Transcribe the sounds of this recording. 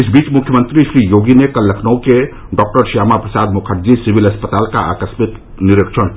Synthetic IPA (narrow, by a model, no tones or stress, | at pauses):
isbiːt͡ʃmukʰjəmənt̪ɾisɾijoːɡinekəlːəkʰnəke | ɖɔk̚ʈəɾsjaːmapɾəsad̪mukʰəʈd͡ʒisibiləspət̪aːlka̰a̰kəsmit̪ | niɾikt͡ʃʰən